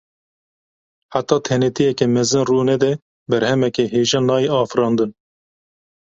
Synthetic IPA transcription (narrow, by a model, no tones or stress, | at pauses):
ħat̪ːɑːt̪ʰɛnɛt̪ijɛkɛmɛzɨnruːnɛd̪ɛ | bɛɾhɛmɛkɛɦeːʒɑːnɑːjeːɑːfɨɾɑːnd̪ɨn